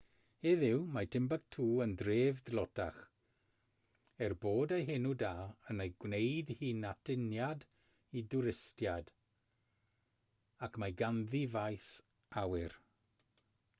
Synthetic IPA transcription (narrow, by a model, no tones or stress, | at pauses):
heðɪwmajtʰɪmbaɡ̚tʰuːəndreːvdlˠɔtʰaχ | ɛrboːdeɦenudaːənejɡwnejdhiːnatʰɪnjad | idʊɾɪstjad | akʰmajɡanðivajs | awɪr